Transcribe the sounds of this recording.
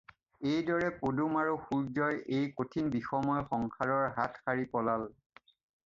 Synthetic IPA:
ejdɔɹɛpodumaɹuxuɹzɔjejkotʰinbixɔmɔjxɔŋkʰaɹɔɹɦatxaɹipɔlal

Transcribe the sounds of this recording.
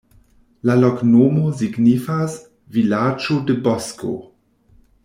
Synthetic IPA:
lalɔknoːmoziɡnifas | vilad͡ʒodəbɔsko̰

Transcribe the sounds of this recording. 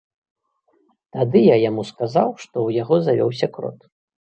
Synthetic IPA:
t̪ad̪ɨjajamuskazawʂt̪ɔwjaɣɔzavʲɔ̰ws̬ʲɐkɾɔ̰t̪

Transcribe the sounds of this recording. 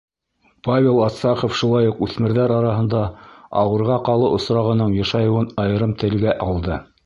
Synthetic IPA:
pavʲelˠɑt̪sɑqofʃulˠɑjuqʉθmɘ̆ɾðæɾɑɾɑɦɤ̆nd̪ɑɑ̰wɤ̆ɾʁɑqɑlˠɤʔŏsɾɑʁɤ̆nɤɴjɑ̆ʃɑjɤ̆wɤnɑjɤ̆ɾɤmt̪ɘ̆lɡæʔɑlˠd̪ɤ

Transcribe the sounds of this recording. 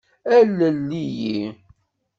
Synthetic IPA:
ælːəlːiji

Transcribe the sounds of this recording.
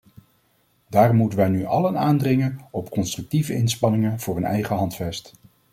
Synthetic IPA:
daːrɔmutəʋɛjnyʔɑlənaːndrɪŋənɔpkɔnstrɵk̚tivəʔɪnspɑnɪŋənv̥ʊːrənɛ̰jχəɦɑntfɛst

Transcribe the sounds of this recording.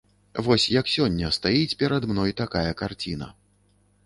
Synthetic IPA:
vɔsʲjɐksʲɔnʲːɐst̪ajit͡sʲpʲɛɾɐd̪mnɔjt̪akajɐkart͡sʲinɐ̰

